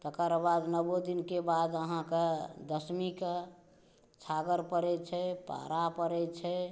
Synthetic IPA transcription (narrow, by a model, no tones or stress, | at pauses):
t̪əkəɾbad̪nəbod̪inkebad̪əɦãked̪əsmike | t͡ʃʰaɡəɾpəɾɛt͡ʃʰɛpa̰ɾapəɾɛt͡ʃʰɛ